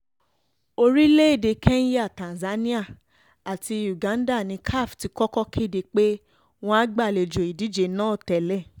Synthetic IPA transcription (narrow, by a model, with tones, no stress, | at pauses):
o˧ɾi˦le˦e˦˨de˧kʰɛ˦ñ̩˦ja˦˨tã˨za˨˦nĩ˦a˦˨ | a˨ti˧ju˨ɡã˨˦n˦da˦˨nĩ˨˧kʰa˦˨fti˨˧kɔ˦kɔ˦kʰi˦˨de˧k͡pe˦ | w̃ɔ̃˧a˦ɡ͡ba˦˨le˨d͡ʒo˨i˨di˨˦d͡ʒe˧˦nãː˦˨tɛ˨lɛ˦˨